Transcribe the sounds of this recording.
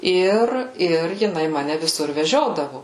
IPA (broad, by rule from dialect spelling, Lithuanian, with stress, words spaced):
ˈɪr ɪr jɪˈnɐɪ ˈmɑːnʲɛ ʋʲɪˈsʊr ʋʲɛˈʒʲoːdɐʋʊ